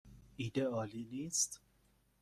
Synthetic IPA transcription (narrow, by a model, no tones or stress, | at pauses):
iːd̪eɒːliːniːst̪